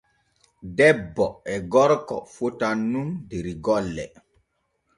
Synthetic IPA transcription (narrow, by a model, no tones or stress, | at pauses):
dɛbːɔɛɡɔɾkɔ̰fotanːumdeɾiɡɔlːɛ̰